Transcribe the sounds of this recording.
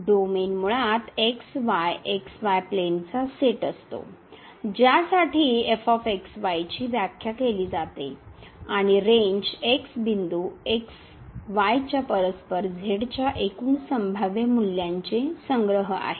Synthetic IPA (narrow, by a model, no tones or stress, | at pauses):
ɖomenmuɭat̪eksʋajeksʋajplent͡saseʈəst̪o̰ | d͡ʑjasaʈʰiːefɔfeksʋajt͡ɕiːʋjakʰjakeliːd͡zat̪eaɽ̃iɾeɲd͡ʑeksbind̪ueks | ʋajt͡ɕjapəɾəspəɾd͡zʱeɽt͡ɕjaʔekuːnsəmbʱaʋjemuljaɲt͡sesəŋɡɾəɦəa̰ɦe